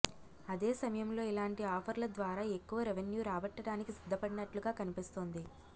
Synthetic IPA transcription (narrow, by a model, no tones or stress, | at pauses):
ɐd̪eːsɐmɐjɐmlo̞ːilaːɳʈiaːpʰɐɾlɐd̪ʋaːɾaːe̞kːuʋɐɾeʋenjuːɾaːbɐʈːɐɽaːnikisid̪ʱːɐpɐɽinɐʈluɡaːkɐnipist̪oːnd̪i